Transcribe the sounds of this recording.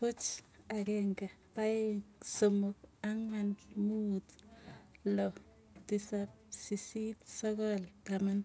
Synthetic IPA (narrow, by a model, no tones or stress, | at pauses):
ʊt͡ʃakɛŋɡapaesomʊk̚aŋanmut | lɔ | tisap̚ | sisitsɔkɔltaman